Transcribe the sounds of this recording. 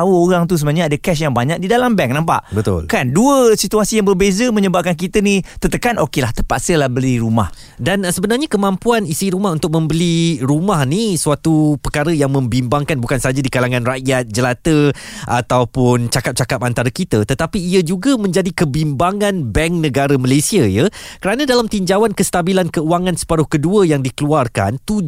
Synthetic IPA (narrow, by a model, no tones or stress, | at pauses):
awəoɾaŋt̪us̬əməaɲaadakɛs̬jaŋbaɲak̚didalambɛŋnampa̰ʔbət̪ʊ̰lkanduəsit̪uasijaŋbərbezəmə̃ɲəbap̚kank̬it̪ənit̪ət̪əkanʔokelaht̪əpa̰ʔsəlahbəliɾuma̰h | dansəbənarɲakəmampuanisiɾumahunt̪ʊk̚mə̃mbəliɾumahnisuat̪upərkaɾəjaŋmə̃mbimbaŋkanbukansaɦad͡ʒadikalaŋãnraʔjat̪̚d͡ʒəlat̪əʔa̰t̪awpʊnt͡ʃakap̚t͡ʃakap̚ant̪aɾakit̪ət̪ət̪apiːəd͡ʒuɡamə̃ɲd͡ʒadikəbimbaŋãnbɛŋknə̃ɡaɾəməlasiajəkəɾanãdalamt̪iɲd͡ʒawankəst̪abilankəuaŋansə̥paɾʊhkəduəjaŋdikəluarka̰nt̪u